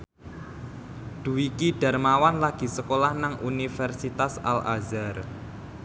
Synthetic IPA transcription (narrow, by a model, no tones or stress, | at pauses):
d̪̥ṳwikiɖ̥a̤rmawanlaɡ̥i̤səkolahnaŋʔunifɛrsit̪asa̰lʔa̰zar